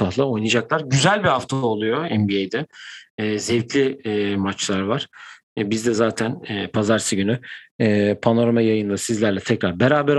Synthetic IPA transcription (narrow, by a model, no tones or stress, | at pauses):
ahlˠaojnad͡ʒaklˠaɾɟyzælʲbihaft̪ʰaolˠujo̞ɛmbiejd̪ɛː | zɛvc̪lʲimat͡ʃlˠaɾvaɾ̥ | bizd̪ɛzaːt̪ʰænːpʰazaɾsɯɟynyː | pʰano̞ɾamajajɯnd̪ˠasizlʲæɾlʲɛt̪ʰɛcɾaɾbeɾaːbɛɾ